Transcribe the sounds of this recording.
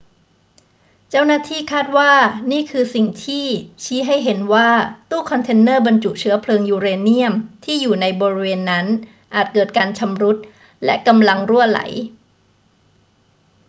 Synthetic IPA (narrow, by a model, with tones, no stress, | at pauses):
t͡ɕa˥˩wnaː˥˩t̪ʰiː˥˩kʰaː˥˩t̪̚waː˥˩niː˥˩kʰɯː˧si˨˩ŋt̪ʰiː˥˩t͡ɕʰiː˦˥ɦa˥˩jɦe˩˦nwaː˥˩t̪uː˥˩kʰɔ˧nt̪ʰe˧nːɤː˥˩ba˧nt͡ɕu˨˩ʔt͡ɕʰɯ˦˥ɐpʰlɤː˧ŋjuː˧ɾeː˧nːi˥˩əmt̪ʰiː˥˩juː˨˩na˧jbɔː˧ɾi˦˥weː˧nːa˦˥n | ʔaː˨˩t̪̚kɤː˨˩t̪̚kaː˧nt͡ɕʰa˧mɾu˦˥t̪̚ | lɛ̰˦˥ka˧mla˧ŋɾu˥˩əla̰˩˦j